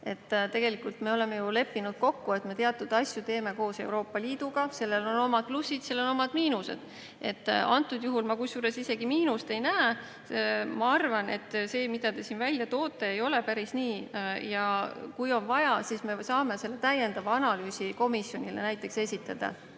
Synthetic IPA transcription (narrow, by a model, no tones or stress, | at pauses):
e̞t̪ːt̪e̞ɡ̥e̞likult̪me̞o̞le̞me̞jule̞pːinud̪̥̚ko̞kːue̞t̪me̞t̪eɑt̪ːˑud̪̥ɑsʲjut̪e̞ːme̞ko̞ːse̞̰wɾo̞ːpːˑɑliːd̪̥uɡ̥ɑse̞lːe̞lo̞no̞mɑd̪̥̚plusːid̪̥selːo̞no̞mɑd̪̥miːnuse̞̰d̪̥ | e̞t̪ːɑnt̪ːˑud̪juɦulmɑkusjuːɾe̞sise̞ɡimiːnust̪e̞jnæe | mɑɑrvɑne̞̰t̪ːˑse̞ːmid̪̥ɑt̪e̞sinvælʲjɑt̪o̞ːt̪ːˑe̞ːjo̞le̞pæɾisniːjɑkujo̞nvɑjɑsisme̞sɑːme̞se̞lːe̞t̪æjːe̞nd̪ɑvɑɑnɑlyːsiko̞misjo̞nʲile̞̰næjt̪ːˑe̞kse̞sʲit̪ːˑɑd̪̥ɑ̰